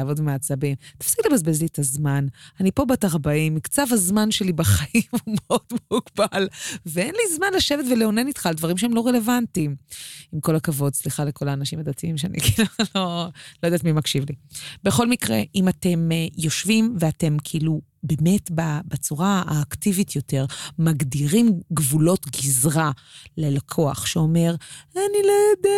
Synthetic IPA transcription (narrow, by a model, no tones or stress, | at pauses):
aːvo̞dmeat͡sabimt̪ḁfsiklebazbezlietazmananipo̞bataʁbaimikt͡savhazmanʃe̞libaχaʔimhumeo̞d̥muɡ̥balveenlizmanlaʃe̞vetveleo̞nenitχaldvaʁimʃeemlo̞ʁe̞le̞vantimimko̞lakavo̞dsliχaleko̞laːnaʃimadat̪iimʃeanḭkʰilulo̞lojd̪aːtmimakʃivlibe̞χo̞lmikʁe̞̰ʔimate̞mjo̞ʃvimveate̞mkʰiilu | be̞me̞tbabet͡suʁaa̰ːktivitʰjo̞te̞ʁmaɡdiʁimɡvulo̞tɡizʁalelakʰo̞aχʃeo̞me̞ʁanilojoda